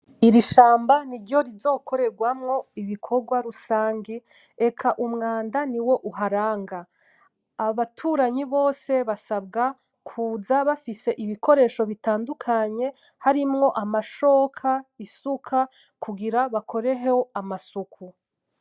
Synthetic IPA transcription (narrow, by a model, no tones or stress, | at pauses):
iɾiʃaːmbaniɾɟo̞ɾizo̞ːko̞ɾe̞ɾɡwamŋo̞iβikʰo̞ɾɡwaɾusaːŋɡi | e̞kʰaʔumŋaːndaniwo̞ʔuɦaɾaːŋɡaː | βatʰuːɾaɲiβo̞ːse̞βasabɡa | kʰuːzaβafise̞ʔiβiko̞ɾe̞ːʃo̞βitaːndukʰaɲe̞ | haɾimŋo̞ʔamaʃo̞ːkʰaisukʰa | kʰuɡiɾaβakʰo̞ɾe̞ɦehoamasukʰu